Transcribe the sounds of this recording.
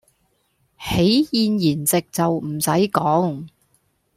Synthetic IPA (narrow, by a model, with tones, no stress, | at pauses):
he˨˥jjiː˨˧njiː˨˩nt͡sɪ˨k̚t͡sɐ˨wm̩˨˩sɐ˨˥jkɔː˨˥ŋ